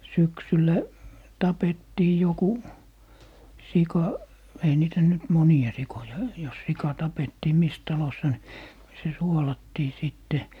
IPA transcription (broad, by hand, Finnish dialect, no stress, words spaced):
syksylːæ tɑpetːiː joku sikɑ ei niːtæ nyt moniɑ sikojɑ jos sikɑ tɑpetːiː mis tɑlosˑɑ ni se suolɑtːiː siˑtːe